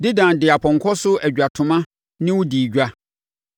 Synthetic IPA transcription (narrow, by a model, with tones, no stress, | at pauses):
dɪ˦dã˨n˨dɪ˨a˨pʰɔ̃˨ŋ̩˨kʰɔ˦sʊ˦æ˨d͡ʑᶣa˨tʰʊ̃˨mã˦ | nɪ̃˦wʊ˦di˨ɟᶣa˦